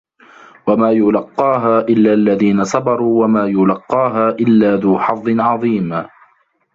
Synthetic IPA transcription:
wamaːjʊlɑqːɑːɦaːʔɪlːaːʔlːaðiːnasˤɑbɑɾˤuːwamaːjʊlɑqːɑːɦaːʔɪlːaːðuːħɑðˤːɪnʕɑðˤiːm

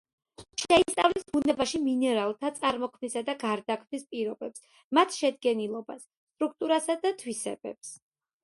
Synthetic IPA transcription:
ʃɛist̪ʼavlisbunɛbaʃiminɛɾalˠt̪ʰat̪sʼaɾmɔkʰmnisad̪aɡaɾd̪akʰvmnispʼiɾɔbɛps | mat̪ʰʃɛd̪ɡɛnilˠɔbasːt̪ʼɾuk̚t̪ʼuɾasad̪at̪ʰwisɛ̰bɛ̰ps

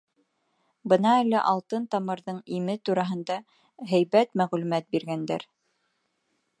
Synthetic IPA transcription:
bɤnɑælːæʔɑlˠt̪ɤnt̪ɑmɤ̆ɾðɤɴimɘt̪uɾɑɦɤ̆nd̪ɑ | ɦɘjβæt̪mæʁlʉmæt̪̚biɾɡænd̪æ̰ɾ

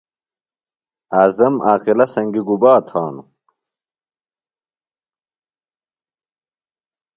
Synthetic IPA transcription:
aːzɐmaːqilɐsɐŋɡiɡubaːt̪ʰaːnu

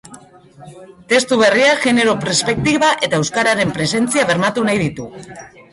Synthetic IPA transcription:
t̪e̞st̪uβ̞e̞riaʝe̞ne̞ɾo̞pɾespe̞k̚t̪iβaʔe̞t̪ae̞wskaɾaɾe̞mpɾe̞se̞nt͡siaβ̞e̞ɾmat̪unajð̞it̪u

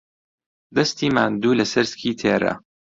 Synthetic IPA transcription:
d̪ɐst̪iːmaːnd̪uːlɐsɐɾskʰiːt̪ʰeːɾɐ̰

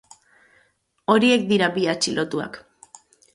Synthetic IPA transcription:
o̞ɾie̞k̚d̪iɾabiat͡ʃilʔo̞t̪ua̰k

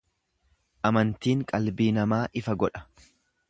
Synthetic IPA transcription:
ʔɐmɐnt̪iːŋkʼɐlbiːnɐmaːʔɪfɐɡɔᶑɐ̥

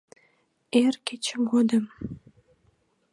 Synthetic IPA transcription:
erket͡ɕəmɡod̪əm

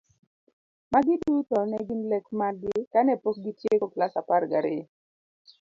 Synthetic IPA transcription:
maɡɪdutɔnɛɡɪnlɛkmaɡɪkanɛpok̚ɡitjekoklasapaɾɡaɾɪ̰

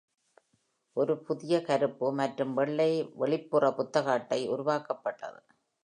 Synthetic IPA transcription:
ʔɔɾɯpʊðɪjɐkɐɾɯpːɯmɐʈrɯmʋɛɭːɐɪʋɛɭɪpːɯrɐpʊt̪ːɐɣaːʈːɐɪʊɾʊʋaːkɐpːɐʈːɐ̰ðɯ

